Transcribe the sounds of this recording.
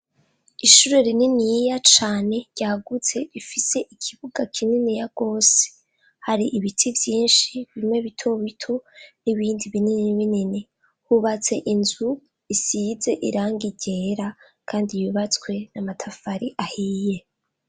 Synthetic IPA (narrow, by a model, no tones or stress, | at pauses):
iʃuɾe̞ɾininijjat͡ʃaːne̞ɾɟaːɡut͡se̞ɾifise̞ʔikʰiβuɡakʰininijaɡ̥o̞ːse̥ | haɾiʔiβitʰivjiːnʃiβimŋe̞βitʰo̞βitʰo̞niβiːndiβinininiβinini | huβat͡se̞ʔinzu | isize̞ʔḭɾaːŋɡiɟe̞ɾa | kʰaːndijuβat͡swe̞namatʰafaɾiʔahiːje̞